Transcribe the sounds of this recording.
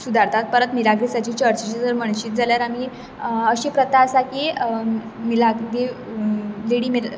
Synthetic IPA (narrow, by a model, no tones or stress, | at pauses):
sud̪ʱaɾt̪ʰat̪̚pəɾət̪miɾaɡɾisat͡ɕiːt͡ɕəɾt͡ɕit͡ɕad͡zəɾməɳɕiːt̪̚d͡zaljaɾam̤iː | əɕepɾət̪asaki | milaɡɡ̪e | leɽiːmi